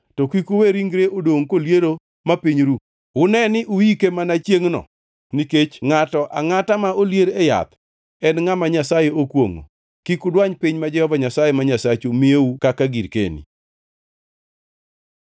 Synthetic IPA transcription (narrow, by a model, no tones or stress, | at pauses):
tɔkikuweɾiŋɡɾeʔodoŋkoljeɾo | mapiɲɾu | ʊnɛnɪʔuikemanat͡ʃjeŋnɔ̰ | niket͡ʃŋatɔʔa̰ŋatamaoljeɾeja̰t̪ | ɛnŋamaɲasajeokwoŋo̰ | kikʊdwaɲpɪɲmad͡ʒɛhɔvaɲasajemaɲasat͡ʃomieukakaɡiɾkḛnḭ